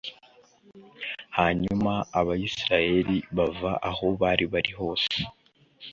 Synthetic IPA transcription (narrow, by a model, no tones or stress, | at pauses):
haɲumaːβajisiɾaje̞ɾiβavaʔaho̞βaɾiβaɾiɦo̞ːse̥